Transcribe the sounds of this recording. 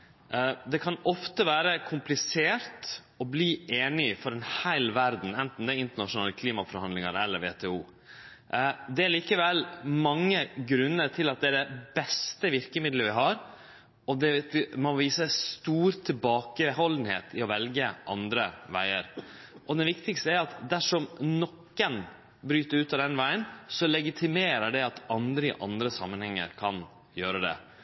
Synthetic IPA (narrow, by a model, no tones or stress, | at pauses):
d̪ɛkʰɑnɔft̪əʋæːɾəkʰʊmplɪseːɾt̪ | ɔbliːeːnɪfɔɾɛnhæɪlʋæɾd̪n̩ɛnt̪n̩d̪ɛæɪnt̪əɳɑʂʊnɑːləkʰliːmɑfɔɾhɑnd̪lɪŋəɾɛlːəɾʋḛːt̪ʰeːuː | d̪ɛæɾɭiːkəʋɛlːmɑŋːəɡɾʉnːəɾt̪ʰɪlɑt̪̚d̪ɛæɖɛbɛst̪əʋɪɾkəmɪd̪ləʋɪɦɑɾ | ɔd̪ɛmɔʋiːsəst̪uːɾt̪ʰɪlbɑːkəhɔln̩hḛːt̪ʰɪɔʋɛlɡəʔɑ̰nd̪ɾəʋæ̰ɪə̰ɾ | ʔɔd̪ɛnʋɪkt̪ɪkst̪əæɾɑt̪d̪æʂɔmnɔkːən | bɾyːt̪əɾʉːt̪ɑd̪ɛnʋæɪənsɔlɛɡɪt̪ʰɪmeːɾəɖɛɑt̪ɑnd̪ɾəɪʔɑ̰nd̪ɾəsɑ̰mːənhɛŋːə̰ɾkʰɑn | jøːɾəd̪ɛ̰